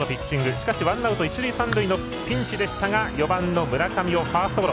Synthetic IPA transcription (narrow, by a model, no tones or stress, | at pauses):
nopʲit͡ɕt͡ɕːĩŋɡɯ̟ɕi̥kaɕiβãnaɯt̪oit͡ɕiɾiːsãnd̪ɯino | pʲĩɲ̟t͡ɕid̪e̞ɕi̥t̪aɡajo̞bãnːo̞mɯ̟ɾakamʲio̞ɸaːsɨ̥t̪oboɾo